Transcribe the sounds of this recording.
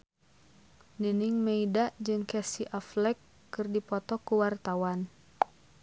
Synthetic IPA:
niniŋmeidaʔd͡ʒɨŋkɛsiʔaflɛkː | ɨrdipɔt̪ɔkuwart̪awan

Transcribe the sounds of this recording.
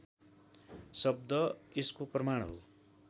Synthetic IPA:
sʌb̚d̪ʌeskoprʌmaɽɦo̰

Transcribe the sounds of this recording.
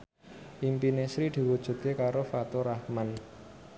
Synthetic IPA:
ʔimpinesɾid̪̥i̤wud̥ʒ̥ṳt̪̚kekaɾofat̪oɾahman

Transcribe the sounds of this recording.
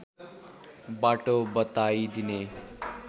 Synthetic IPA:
baʈobʌt̪ajd̪ine

